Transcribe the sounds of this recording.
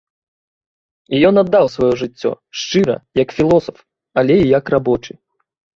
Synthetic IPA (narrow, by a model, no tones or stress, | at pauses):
ijɔnad̪ːawsvajɔʐɨt͡sʲːɔ̰ | ʂt͡ʂɨɾɐ̰jɐkfʲilˠɔsɐf | ɐlʲɛijɐkrabɔt͡ʂɨ